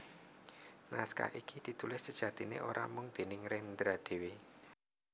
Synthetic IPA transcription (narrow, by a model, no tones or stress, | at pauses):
naska̰ʔikid̪̥i̤t̪ulɪsːəd̥ʒ̥ä̤t̪inḛʔoɾa̰mʊŋd̪̥e̤nɪŋɾɛnd̪ɾad̪̥e̤we